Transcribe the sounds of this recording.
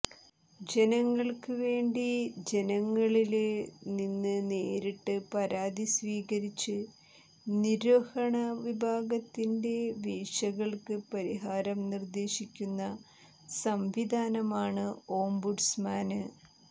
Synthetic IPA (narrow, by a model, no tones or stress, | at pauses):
d͡ʑe̞nɐŋːɐɭkɨʋe̞ːɳɖid͡ʑe̞nɐŋːɐɭilninːɨne̞ːɾiʈːɨpɐɾaːd̪isʋiːɣɐɾit͡ɕːɨ | niɾɐhɐɳɐʋibʱaːɡɐt̪ːinde̞ʋiːʂɐɣɐɭkɨpɐɾiɦaːɾɐmnird̪e̞ːɕikʲːunːɐ | sɐmʋid̪ʱaːnɐmaːɳɨo̞ːmbuɖsmaːnɨ